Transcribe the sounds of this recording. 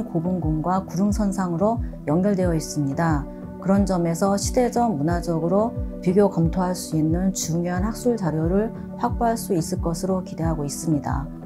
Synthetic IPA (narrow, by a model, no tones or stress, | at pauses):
kobuŋɡuŋɡwakuɾɯŋsʰʌnsʰaŋɯɾojʌŋɡjʌɭdwe̞jʌis͈ɯmɲida | kɯɾʌnd͡ʑʌme̞sʰʌɕʰide̞d͡ʑʌmunad͡ʑʌɡɯɾopiɡjokʌmtʰoɦaɭs͈uinːɯnt͡ɕuŋjoɦanhak̚s͈uɭd͡ʑaɾjoɾɯɭ | ɸwak̚p͈oɦaɭs͈uis͈ɯɭk͈ʌsʰɯɾokide̞ɦaɡois͈ɯmɲida̰